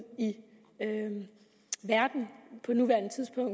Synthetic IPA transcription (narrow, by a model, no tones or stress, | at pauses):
i | ø | ʋæɐd̥n̩pʰɒ̽nuʋæɐ̰nət͡sʰiðˠsb̥ɔ̽ŋ̰